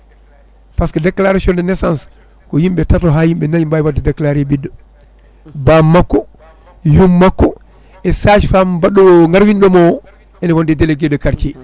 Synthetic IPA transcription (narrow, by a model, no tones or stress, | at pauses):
paskɔdɛkːlaɾasiɔndɛnɛsans | kɔjimɓɛtatɔɦaːjimɓɛnaɲimbajwadːɛdɛkːlaɾibidːɔ | bamːakːɔ | jumːakːɔ | ɛsaʃfambaɗːɔwɔŋɡaɾwindɔmɔw | ɛnawɔndɛdɛlɛɡɛdɔkaɾt͡ʃɛ